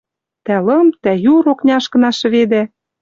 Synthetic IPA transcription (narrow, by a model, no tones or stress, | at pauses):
t̪ælɤ̆mt̪æjuɾoknʲɑʃkɤ̆nɑʃɤ̆βed̪æ